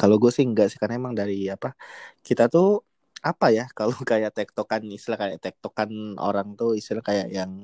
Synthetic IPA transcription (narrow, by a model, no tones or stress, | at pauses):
kaloɡuasɪŋɡaʔsɪ̥hkanemaŋdaɾiapakit̪at̪u | apajakalokajaʔt̪ɛk̚t̪okanist̪ilahkajaʔt̪ɛk̚t̪okano̰ɾaŋt̪uist̪ilahkaja̰ʔjaŋ